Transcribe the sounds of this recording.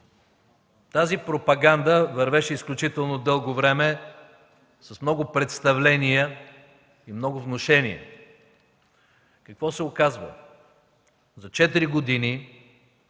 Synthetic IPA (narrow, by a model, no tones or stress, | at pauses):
t̪azipɾopɐɡand̪əvɐɾvɛʃɛisklʲut͡ʃit̪ɛlˠnod̪ɤlˠɡovɾɛmɛ | sɐsmnɔɡʊpɾɛt̪st̪ɐvlɛnijə | imnɔɡʊvnoʃɛnḭə̰ | kɐkvɔsɛokazvə̰ | zɐt͡ʃɛt̪iɾiɡod̪ini